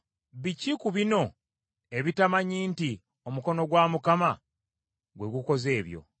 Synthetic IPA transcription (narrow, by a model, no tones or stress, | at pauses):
βicikuβino̞ | e̞βitamaɲiːnti | o̞muko̞no̞ɡwaːmukama | ɡwe̞ɡuko̞ze̞ːβjo̞̰